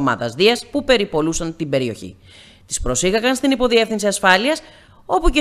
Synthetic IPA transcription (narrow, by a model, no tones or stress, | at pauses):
mɐ̰ðɐ̰zðiɐspupe̞ɾipo̞lusɐnt̪imbe̞ɾio̞çḭ | t̪i̥spɾo̞siɣɐkɐnst̪inipo̞ðie̞fθinsiɐsfɐliɐs | o̞puce